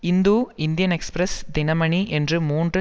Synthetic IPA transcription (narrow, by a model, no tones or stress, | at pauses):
ɪnd̪uːɪnd̪ɪjɐnɛkspɾɐsd̪ɪnɐmɐɳiʔɛndrɯmuːndrɯ